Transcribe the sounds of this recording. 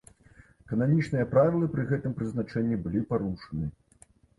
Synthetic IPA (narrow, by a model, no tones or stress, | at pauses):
kɐnamʲit͡ʂnɨjɐpɾavʲilˠɐpɾɨɣɛt̪ɨmpɾɨzn̪at͡ʂɛnʲːibɨlʲipaɾuʂɐnɨ